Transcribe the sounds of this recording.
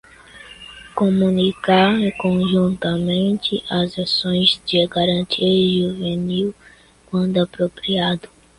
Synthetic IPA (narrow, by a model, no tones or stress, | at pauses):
komũnikaɾkõʒũnt̪ɐmẽnt̪ɪʔɐzasõj̃zd͡ʒɪɡaɾɐ̃nt̪ʰiɐʒuveniw | kwɐ̃nd̪ʊapɾopɾiad̪ʊ